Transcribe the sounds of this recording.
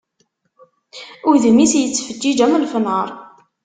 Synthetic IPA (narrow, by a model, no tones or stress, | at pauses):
ʊɾðəmisjət͡sːfəd͡ʒːid͡ʒæməlfənəɾˤ